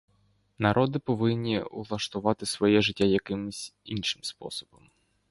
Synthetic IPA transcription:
nɐɾʔɔd̪ɪpɔʋɪnʲːiṵlˠɐʂt̪ʊʋɑt̪ɪsʋɔjɛʐɪtʲːajɐkɪmʊsʲinʃɪmspɔ̰sɔ̥bɔm

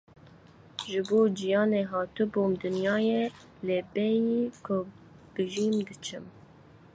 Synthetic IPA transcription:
ʒɨboːd͡ʒijɑːneːɦɑːt̪ɨboːmd̪ɨnjɑːje | lebɛjikʰʊ | b̥ɨʒiːmd̪ɨt͡ʃʰɨm

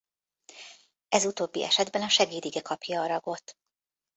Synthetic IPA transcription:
ɛzut̪oːbːḭʔɛ̰ʃɛd̪bɛnɒʃɛɡiːd̪iɡɛkʰɒpjɒːɾɒɡo̞t̪

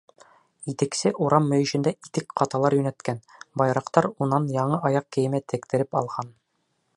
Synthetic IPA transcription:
it̪ɘ̆ksɘʔuɾɑmːɵ̆jɵ̆ɕɘ̆nd̪æit̪ɘkqɑt̪ɑlˠɑɾjɵ̆næt̪kænbɒjɾɑqt̪ɑɾunɑnjɒɴɤʔɒjɑq̚kɘ̆jɘ̆mæt̪ʰɘ̆kt̪ɘ̆ɾɘpɒlˠʁɑn

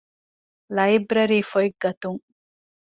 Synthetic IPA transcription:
lɐjbɾɐɾiːfoiɡːɐt̪uŋ

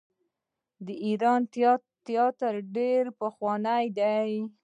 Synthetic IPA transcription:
d̪əʔiɾɑn | t̪jɑt̪əɾɖeɾpəxwɑnajd̪aj

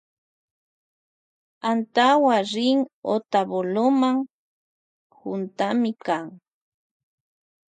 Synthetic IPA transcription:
ant̪awaɾɪŋot̪aβolomaŋ | hʊnt̪amɪkaŋ

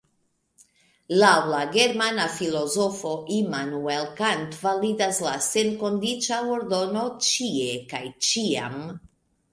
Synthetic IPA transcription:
lawlaɡe̞ɾmanafilo̞zofo̞ʔimanuelkantvalidaslase̞nkondit͡ʃaoɾdo̞no̞t͡ʃiekajt͡ʃia̰m

